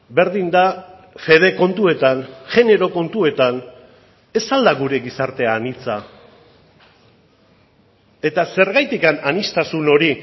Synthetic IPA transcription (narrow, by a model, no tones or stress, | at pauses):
be̞ɾðind̪a | fe̞ð̞e̞ko̞nt̪ue̞t̪anʝe̞ne̞ɾo̞ko̞nt̪ue̞t̪an | e̞sald̪aɣuɾe̞ɣisaɾt̪e̞aːnit͡sa | e̞t̪ase̞ɾɣajt̪ikananist̪asuno̞ɾi